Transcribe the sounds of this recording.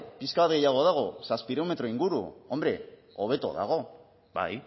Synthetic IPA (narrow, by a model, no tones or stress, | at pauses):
piskaβat̪ɡe̞jaɣ̞o̞ðaɣ̞o̞saspiɾewme̞t̪ɾo̞iŋɡuɾṵo̞mbɾe̞o̞βe̞t̪o̞̰ða̰ɣ̞o̞ | ba̰j